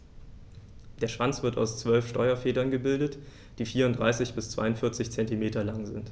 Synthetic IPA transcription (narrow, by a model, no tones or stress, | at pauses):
d̥eːɐʃv̥ant͡sv̥ɪɐta̰ʊst͡sv̥œlfʃtɔʏɐfeːdɐnɡəbɪldət | d̥iːfiːɐʊnd̥ʁaɪsɪçb̥ɪst͡sv̥a̰ɪʊntfɪɐt͡sɪçt͡sɛntimeːtɐlaŋzɪnt